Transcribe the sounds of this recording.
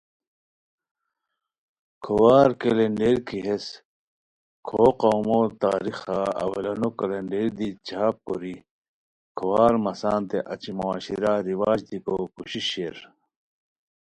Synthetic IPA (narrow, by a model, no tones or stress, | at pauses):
kʰowaːɾkeleɳɖeːɾkiɦes | kʰoːqawmot̪aːɾixaɐ̰wɐlɐnokɐleɳɖeːɾd̪it͡ɕʰaːppoɾi | kʰowaːɾmɐsaːnt̪eʔɐt͡ɕimoaːɕiɾaɾiwaːd͡ʑd̪ikokuɕiɕeɾ